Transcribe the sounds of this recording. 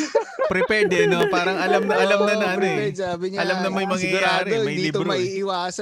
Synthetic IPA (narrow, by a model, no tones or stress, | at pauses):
pɾɛpwɛd̪ɛnopaːɾɐŋɐlɐmnɐʔɐlɐmnɐnɐɐnabɪʔɐlɐmnɐmɐjmɐŋjɐɡjaːɾɛmɐjlɪt̪bɾoɐiɪwaːs